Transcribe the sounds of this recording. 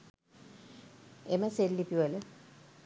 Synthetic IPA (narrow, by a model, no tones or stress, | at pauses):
eməselːipiʋələ